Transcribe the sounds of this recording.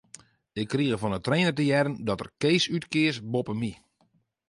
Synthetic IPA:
ɪkːriəɣəfɔnətreːnərtəjɛɾəndɔtə̰rkeːsytkɪəsbopəmi

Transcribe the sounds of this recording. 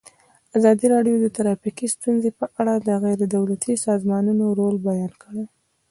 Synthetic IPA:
azɑd̪iɾɑɖjod̪ət̪aɾɑfikist̪unzepəʔaɽad̪əɣajɾed̪awlat̪ʰisɑzmɑnunoɾolbajɑnkʰəɽe

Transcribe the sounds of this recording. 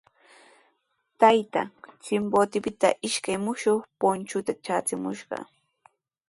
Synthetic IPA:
t̪ajt̪a̰ŋt͡sɪmboːt̪ɪpɪt̪a̰ʔɪʃkajmʊʃoχpʊnt͡ʃʊt̪at͡ʃaːt͡sɪmʊʃɢɑ̰

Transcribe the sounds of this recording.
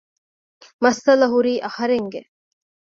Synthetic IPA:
mɐsɐlɐɦuɾiːʔɐhɐɾeŋɡe

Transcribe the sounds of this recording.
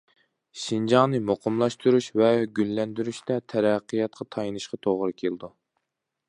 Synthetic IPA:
ʃind͡ʒɑŋnɨmoqʰəmlˠɑʃt̪uɾuʃvɛɡʲylːɛnd̪yɾyʃt̪ɛt̪ʰɛɾɛqːɨjɑt̪̚qʰɑt̪ʰɑjnɨʃqɑt̪ʰoʁɾɨkʲʰelɨd̪u

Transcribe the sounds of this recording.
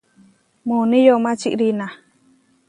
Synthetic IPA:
mũnĩjomãt͡ʃiʔɾinã

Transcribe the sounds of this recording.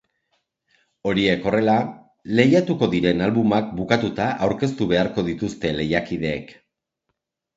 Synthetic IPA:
o̞ɾie̞ko̞re̞la | le̞jat̪uko̞ðiɾe̞nalβumak̚bukat̪ut̪aʔawɾke̞st̪uβ̞e̞aɾko̞ðit̪ust̪e̞le̞jakið̞e̞ːk

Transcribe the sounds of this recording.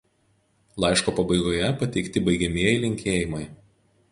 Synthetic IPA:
lˠɑˑɪʃkoːpɐbɐɪɡoːjɛpɐt̪ʲɛɪkt̪ʲɪbɐɪɡʲɛmʲiɛjɪlʲɪŋʲkʲʰeːjɪmɐɪ

